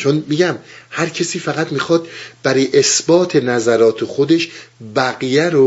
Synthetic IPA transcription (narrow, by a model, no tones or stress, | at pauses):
t͡ʃʰonmiɟæmhæɾcʰesiːfæɣæt̪mixɒːd̪̥bæɾijʔesbɒːt̪ʰe̞næzæɾɒːt̪ʰexod̪e̞ʃbæɣijæɾo